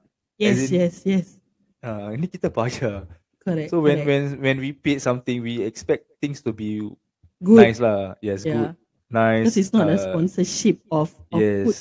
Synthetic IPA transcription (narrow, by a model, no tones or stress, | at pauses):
jɛsjɛsjɛs | anikitapad͡ʒə | kʰɔɹɛsowɛ̃nwɛ̃nwɛ̃nwipetsãmt̪ɪ̃ŋwiɛkspɛk̚t̪ɪ̃ŋstubi | ɡnuɪslajɛsjɡud̚ | naɪskɔsitsnɔt̚əspɔ̃nsəʃip̚ɔfjɔɛ